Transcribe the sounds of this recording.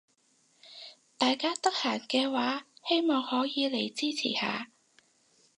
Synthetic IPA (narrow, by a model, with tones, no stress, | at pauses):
t̪aː˨jkaː˥t̪ɐ˥k̚haː˨˩nkɛː˧waː˨˥he˥jmɔː˨ŋhɔː˨˥jiː˨˧le˨˩jt͡siː˥t͡sʰḭː˨˩ha̰ː˨˧